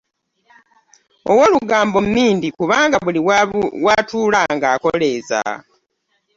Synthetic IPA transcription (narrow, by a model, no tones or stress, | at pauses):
o̰woluɡaːmbo̞mmːiːndikuβaːŋɡaβuliwatuːlaːŋɡaːko̞le̞ːza̰